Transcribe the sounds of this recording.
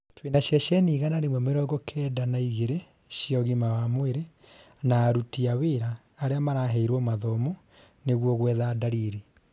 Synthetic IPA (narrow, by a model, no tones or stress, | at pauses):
twenaɕjɛʃɛniːɣanaɾemwɛmeɾɔɡɔkʰɛːdanaiɣeɾe | ɕiɔɣimawamweɾe | naːɾutiaweːɾaː | ɾeamaɾaɦɛiɾwɔmaðɔmo | neɣwɔɣwɛːðadaɾiɾe